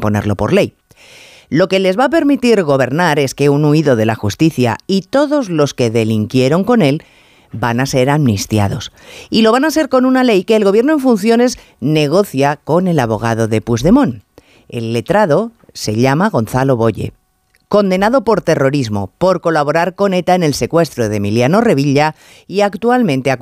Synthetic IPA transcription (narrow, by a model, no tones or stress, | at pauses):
po̞̰ne̞ɾlo̞po̞ɾle̞j | lo̞ke̞le̞zβap̬e̞ɾmit̪iɾɣo̞β̞e̞ɾnaɾe̞ske̞unuiðo̞ðe̞la̰xust̪iθja̰it̪o̞ðo̞zlo̞ske̞ðe̞liŋkje̞ɾo̞ŋko̞ne̞l | banase̞ɾamnist̪ja̰ð̞o̞s | ilo̞βanase̞ɾko̞nunale̞jke̞ːlɣoβjeno̞e̞ɱfunθjo̞ne̞z | ne̞ɣ̞o̞θjako̞ne̞laβo̞ɣ̞a̰ð̞o̞ðe̞puzðe̞mõ̞n | ḛlːe̞t̪ɾaðo̞ | se̞ʎamaɣ̞o̞nθalo̞βo̞ʎe̞̰ | ko̞nd̪e̞naðo̞po̞ɾt̪e̞ro̞ɾizmo̞̰po̞ɾko̞laβo̞ɾaɾko̞ne̞t̪aene̞lse̞kwe̞st̪ɾoðe̞miljano̞re̞β̞iʎa | iakt̪ualmẽ̞nt̪ea